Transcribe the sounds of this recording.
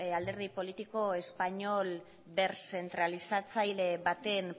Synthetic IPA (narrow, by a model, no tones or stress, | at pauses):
ald̪e̞ɾð̞ipo̞lit̪iko̞e̞spaɲo̞l | be̞ɾse̞nt̪ɾalisat͡sajle̞βat̪e̞n